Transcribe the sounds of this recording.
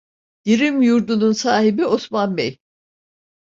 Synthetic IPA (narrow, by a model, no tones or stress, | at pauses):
d̪̥iɾimjuɾd̪ununsaːɦibio̞smanbej